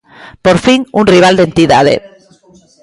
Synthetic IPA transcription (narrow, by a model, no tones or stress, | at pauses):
poɾfiŋunriβ̞ald̪ent̪iða̰ð̞ḛ